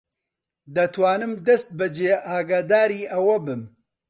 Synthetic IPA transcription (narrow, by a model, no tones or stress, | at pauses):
d̪ɐt̪ʰwaːnɨmd̪ɐst̪̚bɐd͡ʒeːʔaːɡaːd̪aːɾiːʔɐwɐbɨm